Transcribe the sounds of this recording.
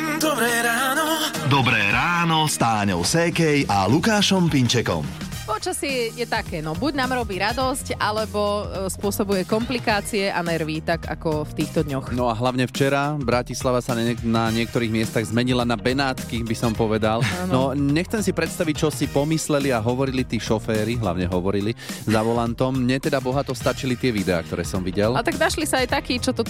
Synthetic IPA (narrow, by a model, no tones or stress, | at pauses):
d̪ɔbɾɛːɾaːnɔd̪ɔbɾɛːɾaːnɔst̪aːɲɔ̰ʊsɛkɛjalukaːʃɔmpiɲt͡ʃɛkɔ̰m | pɔt͡ʃasɛjɛt̪akɛːnɔbuɟnaːmɾɔbiːɾad̪ɔscʔalɛbɔspʊɔsɔbujɛkɔmplikaːt͡siɛʔanɛɾʋiːt̪aka̰kɔft̪iːxt̪ɔd̪ɲɔxnɔaɦlaʊɲɛft͡ʃɛɾabɾacislaʋasanaɲɪɛk̚t̪ɔɾiːɣmɪɛst̪aɣzmɛɲilanabɛnaːt̪kibisɔmpɔʋɛd̪alannɔɲɛxt͡sɛmsipɾɛt̪st̪aʋic̚t͡ʃɔsipɔmislɛliaɦɔʋɔɾilit̪iːʃɔfɛːɾiɦla̰ʊɲɛɦɔʋɔɾilizaʋɔlant̪ɔmmɲɛt̪ɛd̪abɔɦat̪ɔst̪at͡ʃilit̪ɪɛʋid̪ɛa̰ːk̚t̪ɔɾɛ̰ːsɔmʋiɟɛlat̪aɡnaʃlisaajt̪akiːt͡ʃɔt̪ɔ